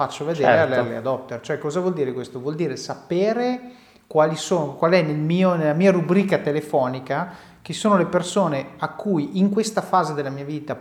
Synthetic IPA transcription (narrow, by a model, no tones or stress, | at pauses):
at͡ʃːovedd͡ʒ̪ḛːɾeallḛa̰d̪ɔpt̪ːert͡ʃoɛkːɔːzavwɔld̪iːɾekwest̪ovwɔld̪iːɾesapeːɾe | kwaːlisoːnokwaːliɛnːelmiːonelamiːaɾubɾiːkat̪elefɔːnika | k̟esːoːnolepersoːneakːujiŋkwest̪afaːzed̪elːamiːaviːt̪a